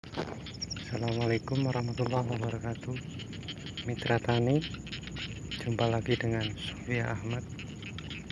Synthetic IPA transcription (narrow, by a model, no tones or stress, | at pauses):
salamalekʊmwaɾahmat̪ulːahwabəɾakat̪u | mit̪ɾat̪ani | d͡ʒumpalaɡidəŋanso̥fiaʔahmat̪̚